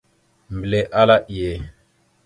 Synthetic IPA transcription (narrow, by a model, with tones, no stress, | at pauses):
mble˨ʔa˦la˦ʔi˨je˨